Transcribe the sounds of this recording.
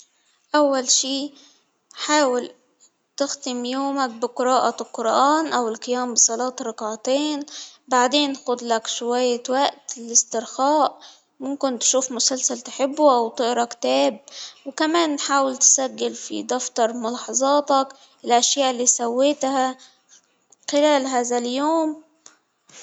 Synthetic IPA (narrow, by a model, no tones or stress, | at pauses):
ʔawːalʃiː | ħaːwɪl | t̪ɪxt̪ɪmjoːmak̚bɪqɨɾɑːʔɑlqʊɾʔaːnʔawɪlqɨjaːmbɨsˤɑlɑːt̪ɾˤɑqʕt̪eːnbaʕd̪eːnːxʊd̪lakʃwajːawaʔt̪ɪlɪst̪ɪɾxaːʔ | mʊmkɪnt̪ʃuːfmʊsalsalt̪ħɪbːuʔawt̪ˤɪʔɾˤɑkt̪aːb̚wɪkamaːnːħaːwɪlt̪saɡːɪlfḭd̪ɑft̪ɑɾˤmʊlɑːħɑzˤɑːt̪ɑk | ɪlʔaʃjaːʔɪlːiːsawːeːt̪ha | xɪlaːlɦaːðaljoːm